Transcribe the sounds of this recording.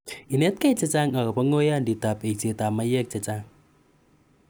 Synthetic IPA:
i˨nɛ˦t̪̚ka˦t͡sɛ˧t͡sa˦ŋa˨ka˨pa˦ŋo˦ja˦ndi˨t̪a˨pe˨t͡se˨ta˨ma˦jɛ˦k̚t͡sɛ˨t͡sa˦ŋ

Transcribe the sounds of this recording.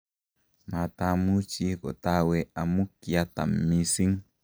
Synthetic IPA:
ma˨t̪amu˦t͡ʃi˦ko˨t̪a˦wea˨mu˦ki˨at̪a̰˨mːisi˦ŋ

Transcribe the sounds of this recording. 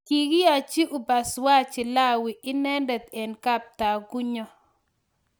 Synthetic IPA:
ki˨ɡi˦a˨t͡ʃi˦ʔʊ˨ba˨swa˦t͡ʃɪ˨la˦wi˨ɪ˦nɛ˦ndɛ˨t̪ɛ˨nka˦p̚t̪a˨ɡu˦ɲɔ˦

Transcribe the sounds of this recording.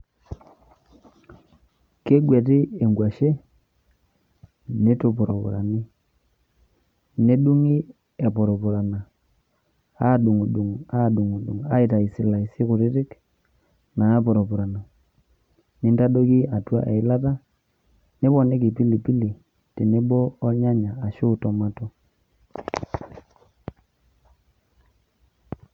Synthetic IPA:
ke˦ɡwɛ˨tɪ˦e˨ŋɡwa˨ʃe˦ | ne˦to˨pʊ˨ɾɔ˨pṵ˨ɾa˨ni˦ | ne˦ɗu˦ŋi˦ | ɛ˨pɔ˨ɾɔ˨pʊ˨ɾa˨na˨ | a˦˨ɗu˨ŋu˨ɗu˨ŋa˦˨ɗu˨ŋu˨ɗu˨ŋa˦ɪ˨ta˨i˨sɪ˨la˨i˨si˦kʊ˨ɾɪ˦tɪ˦k | na˨˦pɔ˨ɾɔ˨pu˨ɾa˨na˨ | nɪ˦nta˦do˦ki˦a˨twa˦ʔɛ˨ɪ˦la˦ta˦ | ne˦βɔ˨ne˦ki˨pi˦li˨pi˦li˨ | ti˨ne˦bɔː˦ɲa˦ɲaː˨ʃʊ˦tɔ˨ma˦tɔ˦

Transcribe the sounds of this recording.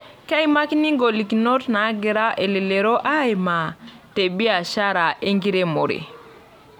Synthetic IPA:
ka˦jma˦kini˦ŋɡo˨li˨kino˦tna˨˦ɡe˨ɾa˦ʔe˨li˨le˨ɾo˦ʔa˦jma˨te˨bi˦a˨ʃa˦ɾa˨ʔe˦ŋɡi˦ɾe˦mo̰˨ɾḭ˨

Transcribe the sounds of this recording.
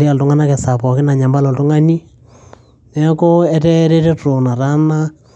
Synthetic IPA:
i˦a˨ltʊ˦ŋa˦na˦kɛ˨sa˨pɔ˨kɪ˦na˨ɲa˨mba˦lɔ˨ltu˦ŋa˦ni˦ | nɛ˦ko˦ɛ˦tɛ˦ɾe˦tɛ˦tɾo˨na˨ɾa˦na˦

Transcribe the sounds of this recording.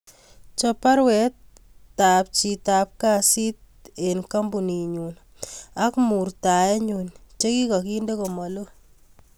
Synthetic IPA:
t͡ʃɔpa˦ɾwɛ˨tː | a˨p̚t͡ʃita˨p̚ka˦si˦t̚e˨nka˦mbu˨ni˨ɲuː˨n | a˦kmu˨rta˨jɛ˦ɲu˨nt͡ʃe˦ki˦kɔ˨ki˦nde˦ko˨mɔ˨lo˦

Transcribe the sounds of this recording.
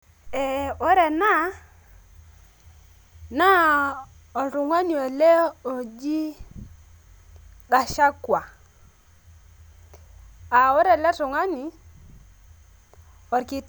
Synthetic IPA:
e˨o˦ɾe˨na˦ | na˦ | o˨lɾu˨ŋa˦ni˨o˨le˦o˨d͡ʒi˦ | ɡa˨ʃa˦kwa˨ | a˨wɔ˦ɾe˨le˦tu˨ŋa˦ni˨ | ɔ˨ɾki˦

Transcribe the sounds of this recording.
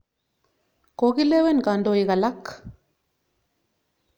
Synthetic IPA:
ko˨˦ki˦le˦wɛ˦nka˨ndo˨i˨ka˨la˦k

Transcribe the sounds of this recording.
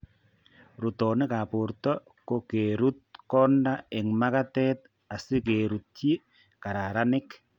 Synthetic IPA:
ɾu˨tɔ˨nɪ˦ka˨pʊ˨ɾtɔ˦ | ko˦ke˨ɾu˦t̪̚kɔ˦nda˦ɪ˨ŋma˦ka˦t̪ɛ˦t̪̚ | a˨sɪ˦ke˨ɾu˨t̪̚t͡ʃi˦ | ka˨ɾa˨ɾa˦nɪ˦k

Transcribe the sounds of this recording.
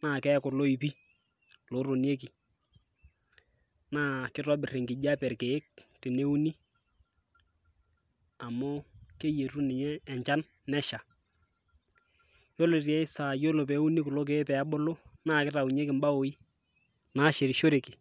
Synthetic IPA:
naː˦˨kɛ˦kʊ˨lo˦i˨pi˦ | lo˨˦ɾo˨nje˦k̬i˨ | naː˦kɪ˦rɔ˦bɪ˨re˨ŋɡɪ˨d͡ʒa˦pɛ˨rkeː˨˦k̚tɪ˨ne˦u˦ni˦ | a˨mo˦ke˦je˨ru˦nɪ˨ɲɛː˦˨ɲt͡ʃa˦nːɛ˦ʃa˨ | jo˦lo˨tɪ˨ɛ˦ɪ˦sa˨jo˦lo˨p̬ɛ˨˦u˦ni˦kʊ˨lo˦k̬e˨˦pɛ˨a˦ɓo˦lo˦naː˦˨kɪ˦ra˨u˨ɲ˦e˦kɪ˨mba˦o˨i˦ | naː˦ʃe˨ɾi˨ʃo˦ɾe˨ki˨

